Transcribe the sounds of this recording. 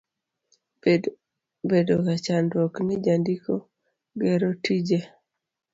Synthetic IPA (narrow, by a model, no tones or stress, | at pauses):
bedokat͡ʃandwɔknɪd͡ʒandikɔ | ɡɛɾotid͡ʒe